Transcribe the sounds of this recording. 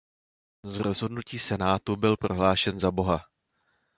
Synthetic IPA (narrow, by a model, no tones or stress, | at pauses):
zɾo̞zɦo̞dnuciːsɛnaːt̪ubɪlpɾo̞ɦlaːʃɛnzabo̞ɦa